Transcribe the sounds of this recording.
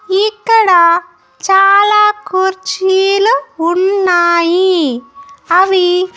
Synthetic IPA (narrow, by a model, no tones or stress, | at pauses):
ikːɐɽaː | t͡ʃaːlaːkuɾt͡ʃilʊɳːaːji | ɐʋi